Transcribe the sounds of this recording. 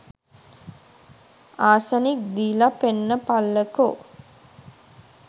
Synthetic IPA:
aːsənik̚d̪iːlapenːəpalːəko

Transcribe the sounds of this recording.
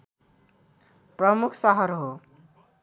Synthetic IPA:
prʌmukʰsʌɦʌɾɦo

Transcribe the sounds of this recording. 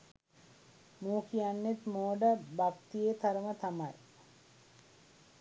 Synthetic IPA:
muːkijanːet̪moːɖəbakt̪ijet̪aɾəmət̪amaj

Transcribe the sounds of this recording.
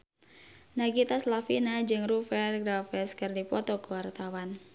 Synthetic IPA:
naɡit̪aslafinad͡ʒɨŋrufɛrɡɾafɛskɨrdipɔt̪ɔkəwart̪awan

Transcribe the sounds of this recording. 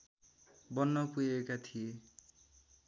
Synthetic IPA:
bʌnːʌpujekat̪ʰije

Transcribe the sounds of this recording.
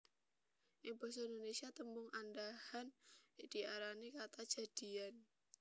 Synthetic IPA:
ʔibɔsaindonesiat̪əmbʊŋʔandahand̥iaɾanekat̪ḁd͡ʒ̥a̤d̥ian

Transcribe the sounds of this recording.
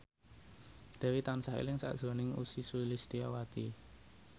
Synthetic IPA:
d̪̥a̤wit̪ansahḛlɪŋsa̰ʔd̥ʒ̥ɔ̤nɪŋusisulist̪iawat̪i

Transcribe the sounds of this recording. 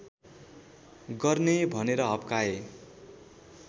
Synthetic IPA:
ɡʌrnebʱʌneɾʌɦʌbkae

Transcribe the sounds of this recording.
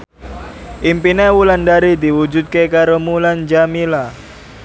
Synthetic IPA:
ʔimpinewulandaɾid̪i̤wud͡ʒut̪̚kekaɾomuland͡ʒamila

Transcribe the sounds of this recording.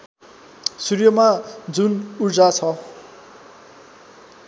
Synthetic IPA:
surjʌmad͡zunurd͡zat͡sʰʌ

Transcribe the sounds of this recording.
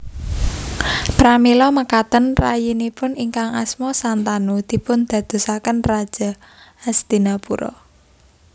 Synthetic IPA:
pɾamilɔməkat̪ənrajinipʊniŋkaŋa̰smɔsant̪anud̪̥i̤pʊnd̪̥ä̤d̪̥o̤sakənrad̥ʒ̥a̤ | asd̪̥i̤napuɾɔ̰

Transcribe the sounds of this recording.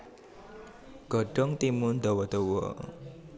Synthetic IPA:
ɡ̥ɔɖ̥ɔ̤ŋt̪imund̪ɔwɔd̪̥ɔwɔ̰

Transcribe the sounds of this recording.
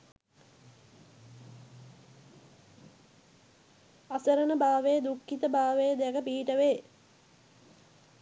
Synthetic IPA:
asəɾənəbaːʋejəd̪ukːit̪əbaːʋejəd̪ɛkəpiːʈəʋeː

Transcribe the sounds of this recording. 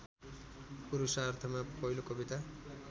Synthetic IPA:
puɾusaɾt̪ʰɔmepɔjlokobit̪a

